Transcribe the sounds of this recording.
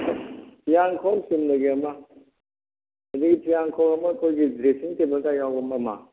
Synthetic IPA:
pʰijaŋkʰɔwsimnɐɡiɐma | hɐd̪iɡipʰijaŋkʰɔwɐmɐːkʰojɡidɾesiŋtebəlɡajawɐmɐma̰

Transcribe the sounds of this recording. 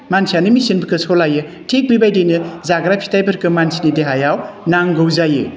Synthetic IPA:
mansijanɯmisinbɯkʰɯsolajɯ | tʰek̚libajdejnɯzaɡɾapʰi̥tajbɐɾkɯmansʰinideɦajawnaŋɡɯwzajɯ̰

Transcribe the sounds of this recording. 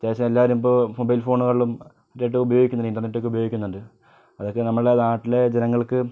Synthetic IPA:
ɐt̪jeːɕɐmelːaːʋɐɾumbomobɐjlfo̞ːɳuɣɐɭiɭum | ɐɾːejʈ̬ːɨubɐjo̞ːɡikʲːunːɐinɖɐrneʈːokːubɐjoːɡikʲːunːuɳɖɨ | ɐðokːenɐmːɐɭenaːʈːile̞d͡ʑenɐŋːɐɭkɨ

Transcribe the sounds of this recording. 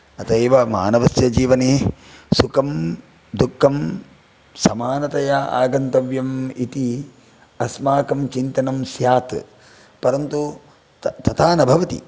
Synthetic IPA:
ɐt̪ɐeːʋɐma̰ːnɐʋɐsjɐd͡ʒiːʋɐneː | sukɐm | d̪ukʰːɐm | sɐmaːnɐt̪ɐjaa̰ːɡɐnt̪ɐʋjɐmit̪i | ɐsmaːkɐmt͡ʃint̪ɐnɐmsjaːt̪ | pɐɾɐnt̪u | t̪ɐt̪ʰaːnɐbʱɐʋɐt̪ḭ

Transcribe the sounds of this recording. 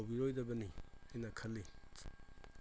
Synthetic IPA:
wbiɾojdɐbɐniajnɐkʰɐlːi

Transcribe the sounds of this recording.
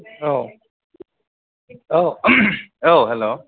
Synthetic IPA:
oʊ | oʊ | oʊɦɛloʊ

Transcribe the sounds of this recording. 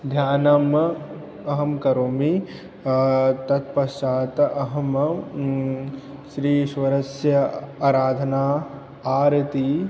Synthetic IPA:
d̪ʱjaːnɐm | ɐɦɐmkɐɾoːmi | t̪ɐt̪̚pɐt͡ʃaːt̪ɐɦɐm | ʃɾiːʃʋɐɾɐsjɐaːɾaːd̪ʱɐnaː | aːɾɐt̪i

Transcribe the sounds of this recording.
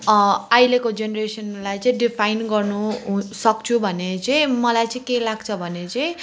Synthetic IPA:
ajlekod͡zenresʌnlajt͡sʌĩɖipʰajnɡʌrnusʌkt͡sʰubʱʌnet͡sʌĩmʌlajt͡sʌĩkelaɡt͡sʰʌbʱʌnet͡sʌĩ

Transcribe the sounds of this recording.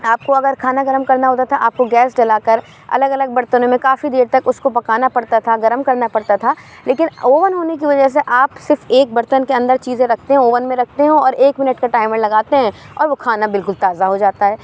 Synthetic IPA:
aːp̚koɐɡəɾkʰaːnaɡɐɾəmkɐɾnaɦoːt̪at̪ʰaʔa̰ːp̚koɡɛːsɖɐlaːkəɾ | ɐ̰ləɡɐləɡ̚bɐɾt̪ənõmẽkaːfid̪eːɾt̪ɐkʊskopɐkaːnapɐɽt̪at̪ʰaɡɐɾəmkɐɾnapɐɽt̪at̪ʰaː | leːkɪnoːʋənɦoːnek̬iʋɐd͡ʒəs̬eʔaːpsɪɾfeːk̚bɐɾt̪ənkeɐ̃nd̪əɾt͡ʃiːzẽɾɐk̚ʰt̪eɦɛ̃oːʋənmẽɾɐk̚ʰt̪eɦɛ̃ɔːɾeːkmɪnəʈkaʈaːɪməɽlɐɡaːt̪eɦɛ̃ɔ̰ːɾʋokʰaːnabɪlkʊlt̪aːzaɦod͡ʒaːt̪aɦɛː

